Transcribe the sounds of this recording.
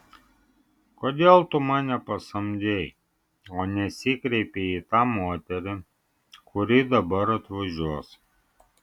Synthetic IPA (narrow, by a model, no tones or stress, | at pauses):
koːd̪ʲeːlˠt̪ʊmɑːnʲɛpɐsɐmʲd̪ʲej | oːnʲɛsʲiːkɾʲɛɪpʲeit̪ɑːmoːt̪ʲɛɾʲɪ | kʰʊɾʲiːd̪ɐbɐɾɐt̪ʋɐʒʲuɔs